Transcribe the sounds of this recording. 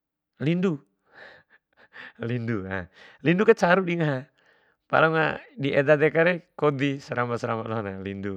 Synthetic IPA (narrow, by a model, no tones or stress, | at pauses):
lindu | lindua̰lindukat͡ʃaɾudiŋaɦa | pa̰laŋa̰diʔɛd̪ad̪ɛkaɾɛkod̪isəɾambasəɾamat̪loɦnalindu